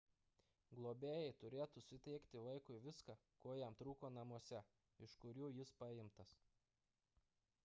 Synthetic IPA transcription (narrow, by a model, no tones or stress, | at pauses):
ɡlˠoːbʲeːjɛɪt̪ʊɾʲeːt̪usʲɪt̪ʲɛɪkʲt̪ʲɪʋɐɪkʊɪʋʲɪskɑkoːjɛmt̪ɾuːkoːnɐmuɔsʲɛ | ɪʃkʊɾʲuːjɪspɐɪmt̪ɐs